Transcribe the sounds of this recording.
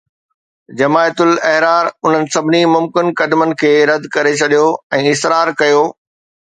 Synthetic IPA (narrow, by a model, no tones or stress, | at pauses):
d͡ʑɐmaːjt̪ʊlɛɦɾaːɾʊn̤ənɪ̆sɐbʱɪnimʊmkɪnkɐd̪mənɪ̆kʰeːɾɐd̪ʱkɐɾet͡ɕʰɐɗijoɛ̃ːɪsɾaːɾkɐjoː